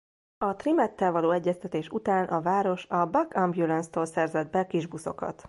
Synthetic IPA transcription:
ɒt̪rimɛt̪ːɛlvɒloːɛɟːɛst̪ɛt̪eːʃut̪aːnʔɒvaːɾo̞ʃɒbɒkɒmbjulɛnst̪oːlsɛrzɛd̪̚bɛkiʒbuso̞̰kɒ̰t̪

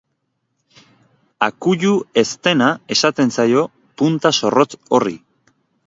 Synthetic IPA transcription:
akuʎue̞st̪e̞nae̞sat̪e̞nsajo̞ | punt̪aso̞ro̞t͡so̞rḭ

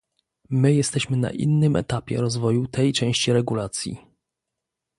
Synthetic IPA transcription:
mɘjɛst̪ɛɕmɘna̰ʔḭnːɘmʔɛ̰t̪apʲjɛ̰ɾɔzvɔjut̪ʰɛjt͡ʂɛ̃w̃ɕt͡ɕiɾɛɡulat̪sʲjḭ

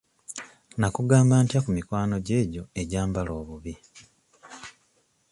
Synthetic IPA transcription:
nakuɡaːmbaːntjakumikwaːno̞ɟe̞ːɟo̞e̞ɟaːmbalo̞ːβuβi

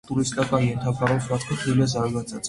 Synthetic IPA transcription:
t̪ʼuɾist̪ʼakʼaiɛnt̪ʰabaɾɔswat̪ʰkʰaχʰilazaɾɡasʰʼat̪sʼ

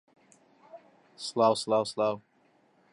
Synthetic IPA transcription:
slawslawslaw

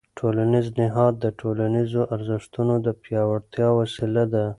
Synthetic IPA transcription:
ʈʰolaniznɪɦɑd̪̚ːəʈʰolanizoʔaɾzɪʂt̪unod̪əpjɑwaɽt̪jɑwasilad̪a

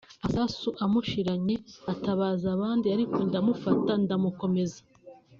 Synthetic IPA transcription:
asasuʔamuʃiɾaɲe̞ataβaːzaβaːndiaɾikondamufatandamuko̞me̞zḁ

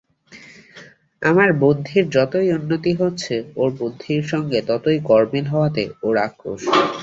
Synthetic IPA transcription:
amaɾbod̪d̪ʱiɾd͡ʑɔt̪ojunːot̪iɦotːɕʰeoɾbod̪d̪ʱːiɾʃɔŋɡet̪ɔt̪ojkɔɾmilɦɔoat̪eoɾakːo̰ʃ

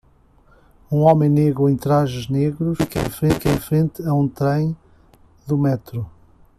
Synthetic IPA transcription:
ũɔmẽj̃neɣɾuẽj̃t̪ɾaʒɨʒneɣɾuʃkḛ̃j̃fɾẽkẽj̃fɾẽnt̪ɨɐũt̪ɾɐ̃j̃ | d̪umɛt̪ɾu

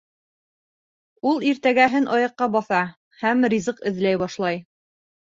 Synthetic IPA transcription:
ulˠiɾt̪æɡæɦɘnʔɑjɤ̆qːɑbɑθɑ | hæmrʲizɤqɘ̆ðlæjbɑʃlˠɑj

